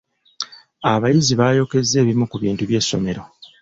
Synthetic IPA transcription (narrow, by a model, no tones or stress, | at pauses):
aβajiziβaːjo̞ːke̞zːe̞ːβimukuβiːntuβje̞ːsːo̞̰me̞ɾo